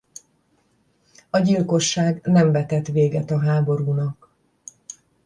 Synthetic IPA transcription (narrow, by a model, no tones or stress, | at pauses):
ɒɟilko̞ʃːaːɡnɛɱvɛt̪ɛt̪ʋeːɡɛt̪ɒɦaːbo̞ɾuːnɒk